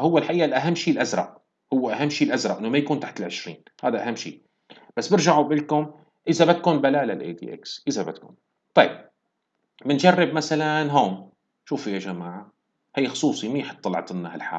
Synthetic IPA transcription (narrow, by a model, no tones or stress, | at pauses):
hʊwːɪlħaʔiːʔalʔaɦamːʃiːlʔazɾˤɑ̰ʔ | hʊwːaʔaɦamːʃiːlʔazɾˤɑʔɪnːʊmajakuːnt̪aħt̪ɪlʕɪʃɾḭːn | haːd̪aʔahamːʃḭːʔ | b̥asːbɪɾʒaʕubɪlkʊm | ʔɪzabɪt̪̚kuːnbalaːlalʔḛːd̪ḭːʔḛksʔɪzabɪt̪kṵːn | t̪ˤɑjɪb̚ | mɪnd͡ʒarːɪbmasalanɦoːm | ʃuːfɪjaʒamaːʕa | hajːxʊ̥sˤuːsˤimiħɪ̥t̪ˤːɑlʕt̪ˤɪnːahalħa̰ːl